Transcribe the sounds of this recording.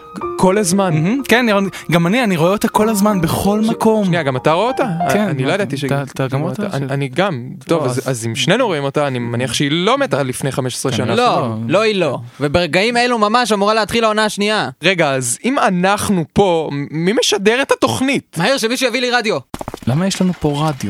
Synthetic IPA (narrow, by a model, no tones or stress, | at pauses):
kʰo̞lazmankenanioɡamanianiʁoeot̪ako̞lazmanbeχo̞lmako̞mʃniaɡamataʁoeot̪aeːnilo̞jd̪at̪iʃet̪aɡama̰aniɡam | t̪ovazazimʃne̞nuʁo̞imo̞taːnimaniaχʃeilo̞met̪alifne̞jχame̞ʃe̥sʁeʃanalolo̞ilo̞vebeʁeɡaime̞lumamaʃamuʁaleat̪χilaonaaʃniaʁe̞ɡaːzimanaχnupo̞mime̞ʃadeʁet̪ato̞χnitmahiʁʃemiʃujaviliʁadjo̞lamajeʃlanupo̞ʁadjo